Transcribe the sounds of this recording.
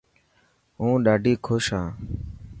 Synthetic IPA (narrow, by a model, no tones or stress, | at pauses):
ɦũːɗaːɖʱiːkʰoʃãː